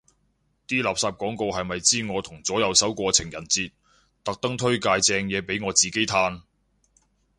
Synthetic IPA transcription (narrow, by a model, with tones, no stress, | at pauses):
t̪iː˥laː˨psaː˧p̚kɔː˨˥ŋko˧wɦɐ˨jmɐ˨jt͡siː˥ŋɔː˨˧t̪ʰʊ˨˩ŋt͡sɔː˨˥jɐ˨˧wsɐ˨˥wkʷɔː˧t͡sʰɪ˨˩ŋjɐ˨˩nt͡siː˧t̚ | t̪ɐ˨k̚t̪ɐ˥ŋt̪ʰɵ˥ɥkaː˧jt͡sɛː˧ŋjɛː˨˧pe˨˥jŋɔː˨˧t͡siː˨ke˥jt̪ʰaː˥n